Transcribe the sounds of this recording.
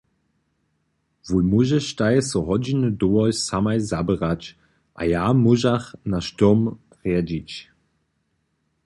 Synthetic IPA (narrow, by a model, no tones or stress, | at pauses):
vujmuʒɛʃtajsɔɦɔd͡ʑinədoɔssamajzabəʁat͡ɕ | ʔa̰jaːmuʒaχnaʃtompʁead͡ʑit͡ʃ